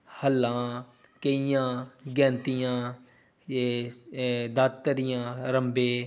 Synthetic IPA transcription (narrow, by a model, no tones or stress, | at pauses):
həlːãː | kəijãːɡɛ̃ːnt̪ɪjãː | d̪aːt̪t̪ːəɾɪjãːɾəmbeː